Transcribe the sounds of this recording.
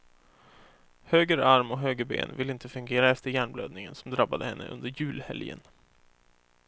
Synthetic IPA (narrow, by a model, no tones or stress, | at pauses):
høːɡəɾaɾmɔɦøːɡəɾbḛːnvɪlɪnt̪əfɵŋɡeːɾaɛft̪əɾjæːɳblø̰ːd̪nɪŋənsɔmd̪ɾabːad̪əhɛnːə̰ʔɵ̰nd̪əɾjʉ̟ːlhɛ̰ljə̰n